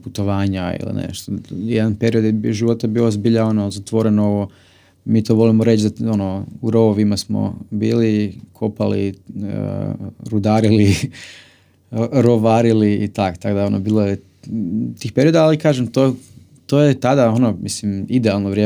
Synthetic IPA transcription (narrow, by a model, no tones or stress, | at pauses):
put̪o̞ʋaːɲaḭlḭnḛʃt̪ojed̪anpe̞ɾio̞d̪jʒiʋo̞t̪abioozbiʎao̞nozat̪ʋo̞ɾe̞nooʋo | miːt̪o̞ːʋo̞limoɾe̞t͡ʃzaonouɾooʋimasmo̰biːlikʰopalḭə̰ɾud̪aːɾili | ɾoʋaːɾiliːt̪akt̪akod̪ao̞nobiːlˠoje | t̪iːxp̞ɾio̞d̪aalikaːʒemt̪o | t̪oːjet̪ad̪ao̞nomislimid̪ealˠnoʋɾjeː